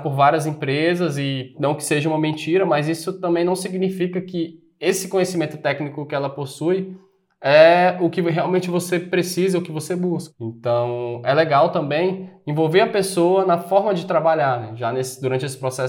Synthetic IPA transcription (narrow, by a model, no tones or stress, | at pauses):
poɾvaɾiɐzẽpɾezɐzɪnɐ̃w̃kɪ̥seʒɐũmɐmẽnt͡ʃiɾɐmɐzisʊt̪ɐ̃mbẽj̃nɐ̃w̃siɡnifikɐkɪ | esɪ̥kõɲesimẽnt̪ʊ̥t̪ɛknikʊkɪɛlɐposuj | ɛʊkɪɦeawmẽnt͡ʃɪvosepɾesizɐʊkɪvosebuskẽnt̪ɐ̃w̃ɛleɡawt̪ɐ̃mbẽj̃ẽvowveɾɐpesoɐnɐfɔɾmɐd͡ʒɪt̪ɾabaʎaɾnɛʒanesɪ̥d̪uɾɐ̃nt͡ʃɪesɪ̥pɾosɛs